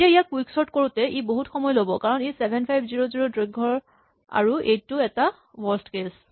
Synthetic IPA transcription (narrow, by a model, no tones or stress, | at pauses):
etiaijakwiksɔɹtkoɹutɛʔiboɦutxɔmɔjɔlobɔkaɹɔnesɛbʱɛnpʰajbziɹoziɹodɹiɡ̚ɡʱɔɹ | a̰ɹuʔejttːuɛta | wɔɹstkes